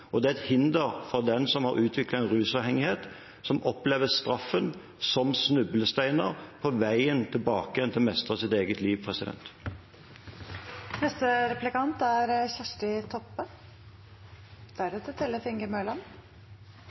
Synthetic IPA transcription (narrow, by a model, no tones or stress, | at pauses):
ɔd̪ɛːæɛt̪hɪnd̪əɾfɔd̪ɛnsɔmhɑɾʔʉːt̪ʰʋɪklɑɛnʁʉːsɑːʋhɛŋɪheːt̪ | sɔmʔɔpleːʋəst̪ʁɑfːən | sɔmsnʉbəl̩st̪æɪnəʁpʰɔʋæɪənt̪ʰɪlbɑːkɛnt̪ʰɪlmɛst̪ʁəsɪt̪eːɡət̪ʰliːʋpʰʁɛsɪd̪ɛ̰nt̪ | nɛst̪əɾɛplɪkɑnt̪æɾçæʂʈɪt̪ʰɔpːə | d̪̥æɾɛt̪ət̪ʰɛlːəfɪŋɡəmœːlɑn